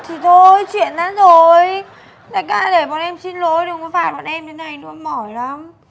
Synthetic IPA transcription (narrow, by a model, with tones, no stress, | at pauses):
t̪ʰi˨˩t̪ʰo˧jt͡ɕwḭ˧˨ənʔaː˨˦zo˨˩j | na̰˧˨˩jka̰ː˧˩ɗe˧˩ɓɔ̰˧˨nʔɛ˧msi˧nlo̰˧˥jɗe˨˩wŋ͡mkɔ˨˦faː˧˩jɓa̰˧˨nʔɛ˧mɗe˨˦na˨˩jnɨ̰˧˥˦mɔ˧˩jla˨˦m